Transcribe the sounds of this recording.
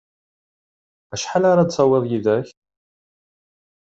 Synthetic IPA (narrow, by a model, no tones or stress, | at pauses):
æʃħalaɾad̪sɑweðˤjiðæç